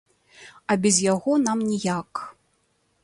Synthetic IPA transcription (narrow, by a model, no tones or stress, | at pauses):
ɐbʲɛzʲjaɣɔnamnʲijak